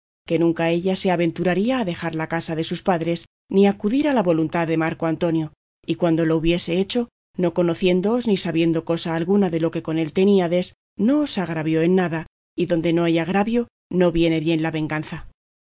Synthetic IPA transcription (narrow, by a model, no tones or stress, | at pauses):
ke̞nũŋkae̞ʎase̞aβe̞nt̪uɾaɾiaːðe̞xaɾlakasaðe̞suspaðɾe̞s | niakuðiɾalaβo̞lunt̪aððe̞maɾko̞ant̪o̞njo̞ | ikwand̪o̞lo̞uβje̞se̞et͡ʃo̞ | no̞ko̞no̞θje̞nd̪o̞oznisaβje̞nd̪o̞ko̞saːlɣunaðe̞lo̞ke̞ko̞ne̞lt̪e̞niaðe̞s | no̞ːsaɣɾaβjo̞e̞nːaða | iðo̞nd̪e̞no̞ajaɣ̞ɾaβjo̞ | no̞βje̞ne̞βje̞nlaβe̞ŋɡanθa